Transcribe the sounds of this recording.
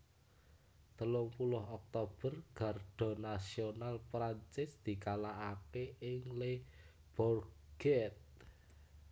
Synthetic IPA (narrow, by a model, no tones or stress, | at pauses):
t̪əlʊŋpulʊɦɔk̚t̪ob̥ə̤rɡ̥arɖ̪̥ɔ̤nasionalpɾaɲt͡ʃɪsd̪̥i̤kalaʔakeʔɪŋle | b̥ɔr | ɡ̥ɛt̪̚